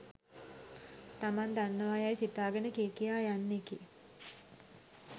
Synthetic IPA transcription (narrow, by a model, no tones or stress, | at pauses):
t̪amand̪anːəʋajajsit̪aːɡənəkeːkijaːjanːeki